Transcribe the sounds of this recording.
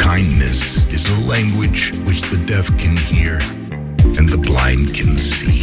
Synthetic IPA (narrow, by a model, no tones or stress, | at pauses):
kʰãɪ̃nːɨ̰sɨzəlæ̃ŋɡwɪ̥d͡ʒwɨt͡ʃðɨdɛθkʰɨ̃nhiɹ | ɨ̃nðəblã̰ɪ̃nd̚kʰɨ̃nsi